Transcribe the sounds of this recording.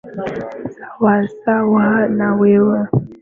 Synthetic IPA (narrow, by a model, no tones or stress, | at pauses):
sawaɾsawaanawewə